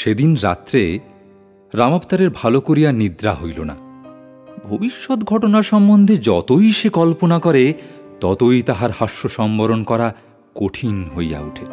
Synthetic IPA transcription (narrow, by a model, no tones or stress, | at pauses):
ʃed̪inɾa̰t̪ːɾe | ɾamapt̪aɾeɾbʱalokoɾijanid̪ɾaɦojlona̰ | bʱobiʃːot̪ɡʱɔʈonaɾʃɔmbond̪ʱed͡ʑɔt̪ojʃekɔlponakɔɾe | t̪ɔt̪ojt̪aɦaɾhaʃːoʃɔmboɾonkɔɾa | koʈʰinɦoja̰uʈʰe